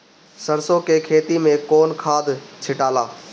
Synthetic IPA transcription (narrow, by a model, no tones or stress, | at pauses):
səɾsokekʰeːt̪imẽkɔːnkʰaːd̪t͡ʃʰɪʈaːlaː